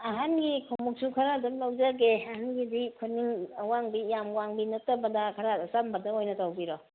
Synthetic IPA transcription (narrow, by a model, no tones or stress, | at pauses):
ɐɦanɡikʰomuk̚sukʰaɾadumlawd͡ʒɐɡeɐhanɡidikʰuniŋwaŋbijamwaŋbinɐtɐbɐdɐkʰaɾasambɐdɐojnɐtawbiɾɔ